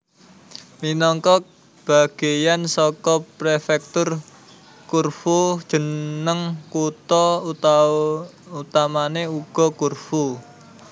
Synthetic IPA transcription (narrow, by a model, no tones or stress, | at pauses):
minɔŋkɔk̚ | b̥a̤ɡ̥ejansɔkɔpɾefɛk̚t̪ʊr | kurfud̥ʒ̥ə̤nnəŋkut̪ɔ | ut̪amaneuɡ̥ɔ̤kurfu